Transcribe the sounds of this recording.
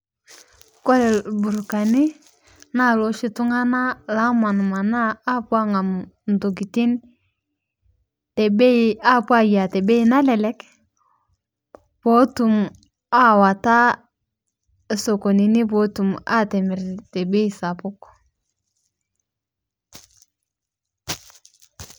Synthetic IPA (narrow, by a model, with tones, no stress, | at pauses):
ko˦lɛ˨bu˨ɾka˨ni˦ | na˦˨lo˦ʃi˦tu˦ŋa˦na˦la˦ma˨n˨ma˨naː˦pwa˦ŋa˨mn˨do˨ɡi˨ti˦n | tɛ˨be˦a˦pwa˦ja˨tɛ˨be˦i˦na˦lɛ˨lɛ˦k | po˦tu˨m | a˦wa˨ta˦˨ | so˨ko˨ni˨ni˦po˨˦tu˨ma̰˦tɛ˨mi˨ɾte˨be˦i˨sa˨pʊ˦k